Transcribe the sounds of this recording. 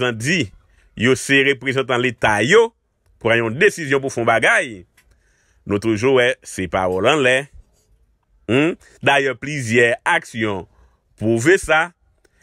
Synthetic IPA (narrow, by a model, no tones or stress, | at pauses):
zãdi | joseʁepʁezɑ̃t̪ãlet̪ajo | pʁãjũd̪esizjɔ̃p̬ufɔ̃baɡaj | nũt̪uʒuwɛsepaʁɔlãlɛ | m̩ | d̪ajœplyzjɛaksjɔ̃ | puvesa